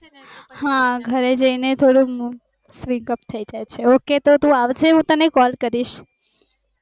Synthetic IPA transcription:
hãɡʱəɾed͡ʒəinet̪ʰoɽũ | sʋĩŋkəpt̪ʰəid͡ʒajt͡ʃʰeoket̪ot̪ũaʋt͡ʃʰeɦũt̪ənekɔlkəɾiʃ

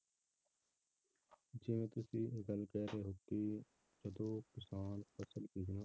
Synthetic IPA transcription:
d͡ʒemẽːt̪ʊsiːɡəlkɛːɾeːɦoːt̪iː | d͡ʒəd̪oːkɪsaːnpəsəlkiːd͡ʒnãː

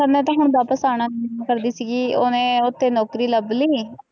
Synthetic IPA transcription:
ənẽːt̪̬ãːɦʊɳ̃b̪aːpəsaːɽ̃aːnːkəɾd̪iːsiːɡiːoːnẽːʊt̪ʰːeːnɔːkɾiːləbliː

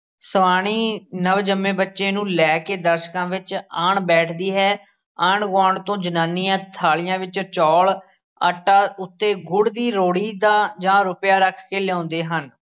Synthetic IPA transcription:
səʋaːɽ̃iːnəʋd͡ʒəmːẽːbətːʃeːnũːlɛːkeːd̪əɾʃkãːʋɪt͡ʃaːɳbɛːʈʰd̪iːɦɛː | aːɳɡãːɳt̪õːd͡ʒənaːnijãːt̪ʰaːlɪjãːʋɪt͡ʃt͡ʃɔːl | əʈaːʊt̪ːeːɡʊɽd̪iːɾoːɽiːd̪aːd͡ʒãːɾʊpjaːɾəkʰkeːlɛõːnd̪eːɦən

